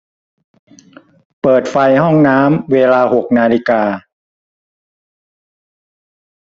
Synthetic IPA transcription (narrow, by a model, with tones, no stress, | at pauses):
pɤː˨˩t̪̚fa˧jhɔ˥˩ŋnaː˦˥mweː˧laː˧ho˨˩k̚naː˧li˧kaː˧